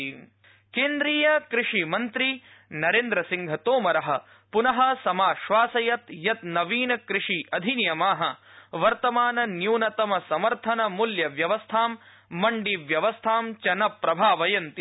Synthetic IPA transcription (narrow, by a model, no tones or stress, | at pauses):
keːnd̪ɾiːjɐkɾɪʂimɐnt̪ɾi | nɐɾeːnd̪ɾɐsiŋɡʱɐt̪oːmɐɾɐɦɐ̆ | punɐɦɐ̆sɐmaːʃʋaːsɐjɐt̪jɐt̪nɐʋiːnɐkɾɪʂiɐd̪ʱinjɐmaːɦɐ̆ʋɐɾt̪ɐmaːnɐnjuːnɐt̪ɐmɐsɐmɐɾt̪ʰɐnɐmuljɐʋjɐʋɐst̪ʰaːmː | ɐɳɖiʋjɐʋɐst̪ʰaːmt͡ʃɐnɐpɾɐbʱaːʋɐjɐnt̪i